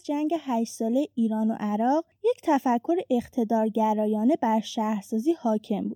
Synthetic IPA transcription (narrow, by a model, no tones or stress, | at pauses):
d͡ʒæŋɟe̞ɦæʃsɒːlejeʔiːɾɒːno̞̰ʔæɾɒːʁ | je̞ct̪ʰæfækʰːo̞ɾeʔeχt̪ʰe̞d̪ɒːɾɟæɾɒːjɒːne̞bæɾʃæhɾsɒːziːhɒːcʰe̞mbuːd̪̥